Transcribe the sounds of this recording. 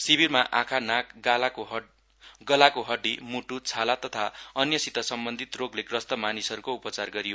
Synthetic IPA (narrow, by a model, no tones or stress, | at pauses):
sibirmaʔakʰanakɡalakoɦ | ɡʌlakoɦʌɖːimuʈut͡sʰalat̪ʌt̪ʰaʌnjʌsit̪ʌsʌmbʌnd̪ʱit̪roɡlekrʌst̪ʌmanisʌɾukoupʌt͡sarɡʌɾijo